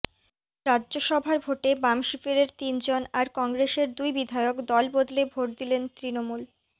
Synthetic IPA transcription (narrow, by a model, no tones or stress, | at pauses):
ɾadːd͡ʑoʃɔbʱaɾbʱoʈebamʃifeɾeɾt̪ind͡ʑonaɾkɔŋɡɾeʃeɾd̪ujbid̪ʱaeokd̪ɔlbod̪lebʱoʈ̚d̪ilent̪ɾinomul